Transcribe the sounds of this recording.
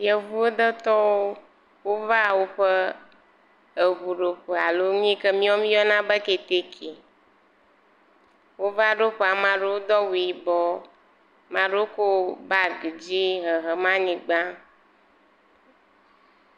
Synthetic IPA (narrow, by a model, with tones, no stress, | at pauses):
jɛ˨vu˦o˦d̪ə˦t̪ɔ˦wo˦ | wo˦va˦˨wo˦ɸə˦ | ə˨vu˨ɖo˨ɸə˨a˨lo˦ɲ˦ĩ˦kə˦mĩ˦ɔ˦mĩ˦ɔ˦nã˦bə˦ke˨t̪e˦kʰi˨ | wo˦va˦ɖo˦ɸe˨a˨mã˨ɖo˦wo˦d̪ɔ˦wi˨i˨bɔ˦ | mã˨ɖe˦o˦ko˦ba˦ɡi˨d͡ʑi˦ɦə˨ɦə˨mã˦ɲĩ˨ɡ͡bã˦